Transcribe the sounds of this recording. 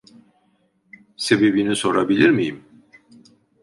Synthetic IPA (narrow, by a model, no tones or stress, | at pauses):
se̞be̞biniso̞ɾabilʲiɾmijim